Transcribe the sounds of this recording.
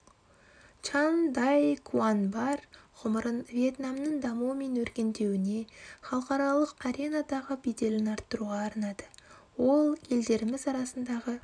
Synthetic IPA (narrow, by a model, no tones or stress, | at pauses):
t͡ʃɑnd̪ɑjkʰuanbɑɾʁ̥ʊməɾənvje̞t̪namnəɴd̪ɑmuwəme̞nwɵɾkʲe̞nd̪e̞wɪne̞χɑlˠəqɑɾɑlˠəqaɾʲe̞nad̪ɑʁəbed̪e̞lɪnɑɾt̪ːəɾuʁɑːɾnɑd̪əwo̞lˠje̞ld̪e̞ɾɪmɪzɑɾɑsənd̪ɑʁə